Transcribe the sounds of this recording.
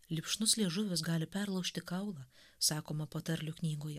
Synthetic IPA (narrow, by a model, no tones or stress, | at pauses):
lʲɪpʃnʊslʲieɛʒʊʋʲʊs̬ɡɑːlʲɪpʲɛɾlˠɐʊʃʲt̪ʲɪkɐʊlˠɑː | sɑːkoːmɐpoːt̪ɐɾʲlʲʊknʲiːɡoːjɛ